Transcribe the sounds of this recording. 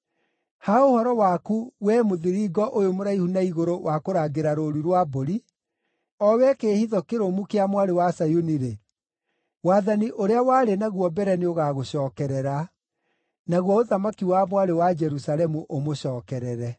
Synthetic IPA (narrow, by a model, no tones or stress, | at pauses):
haohɔɾɔwakuwɛmoðiɾiɡɔʔojomoɾaihunaiɣoɾowakoɾaːɡeɾaɾoɾuɾwaboɾi | ɔwɛkeːhiðɔkeɾomukeamwaɾewasajuniɾe | waːðaniʔoɾeawaːɾenaɣwɔbɛɾɛnioɣaːɣoɕɔːkɛɾɛɾa | naɣwɔoðamakiwamwaɾewad͡ʒɛɾusalɛmuʔomoɕɔːkɛɾɛɾɛ